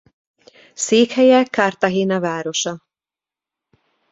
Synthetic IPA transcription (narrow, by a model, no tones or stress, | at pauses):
seːkhɛjɛkɒrt̪ɒɦeːnɒvaːɾo̞ʃɒ